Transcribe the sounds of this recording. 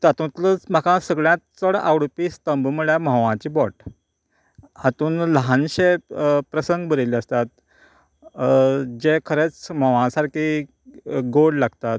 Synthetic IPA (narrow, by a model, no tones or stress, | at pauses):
t̪at̪ũt̪lət͡sm̤akãsəɡɭjãt̪̚t͡səɽawɽpist̪əmbmuɭjaməʋãt͡ɕiːbɔʈ | at̪uːnləɦanɕepɾəsəŋɡbəɾeliəst̪at̪̚ | d͡ʑekʰəɾet͡sməʋãsaɾki | ɡoɽlaɡt̪at̪̚